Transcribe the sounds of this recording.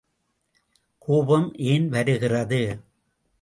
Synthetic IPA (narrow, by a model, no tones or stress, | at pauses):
kʰuːbɐmʔeːnʋɐɾɯɣɪrɐðɯ